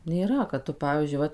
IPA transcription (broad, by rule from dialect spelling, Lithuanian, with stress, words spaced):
nʲeːˈrɐ kɐt ˈtʊ ˈpɑːʋʲiːzʲd͡ʒʲʊɪ ˈʋɐt